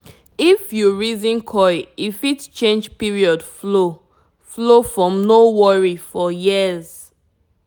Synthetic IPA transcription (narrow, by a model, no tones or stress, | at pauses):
ifjuɹizĩnkʰɔɪifitt͡ʃẽnd͡ʒpiɹiɔdflo | flofɹɔ̃mnowɔɹifɔjiz̥